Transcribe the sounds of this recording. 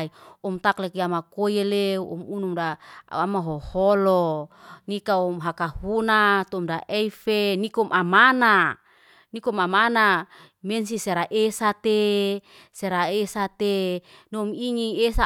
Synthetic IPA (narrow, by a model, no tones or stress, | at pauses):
iɔmt̪aklɛkiamakojeleɔ̰munumdaamaɦohɔlonikaumɦakahunat̪ɔmdaʔɛifenikomʔamana | nikomamana | mensiseɾaʔesat̪e | seɾaesat̪e | nomiŋiesa